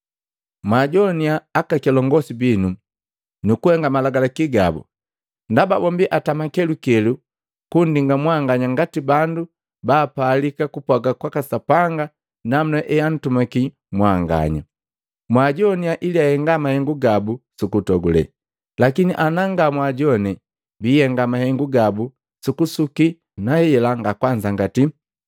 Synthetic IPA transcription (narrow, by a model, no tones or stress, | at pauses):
mwaɟɔniaːkakɛlɔŋɡɔsibinu | nukuhɛŋɡamalaɡalakiɡa̰bṵ | ndaba̰bɔmbiʔatamakɛlukɛlu | kundiŋɡamwaŋɡaɲaŋɡatibandu | baːpaːlikakupwaɡakwakasapaŋɡa | nam̩nɛʔɛjan̩tumaki | mwaŋɡa̰ɲa̰ | mwaɟɔniaʔiliahɛŋɡamahɛŋɡuɡabusukutɔɡulɛ̰ | lakiniʔanaŋɡamwaɟɔnɛ | biːjɛŋɡamahɛŋɡuɡabu | sukusuki | nahɛɛlaŋɡakwaɲd͡ʒaŋɡati